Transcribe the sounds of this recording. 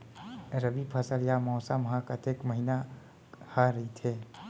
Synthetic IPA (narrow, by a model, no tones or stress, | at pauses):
ɾəbipʰəsəljamɔːsamɦãkət̪ekməɦina | haɾɐɦit̪ʰeː